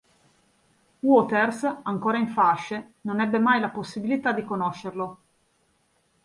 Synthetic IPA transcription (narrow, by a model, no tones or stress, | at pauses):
wɔt̪ersaŋkoːɾaiɱfaʃːenonɛbːemajlaposːibilit̪ad̪ːikonoʃːerlo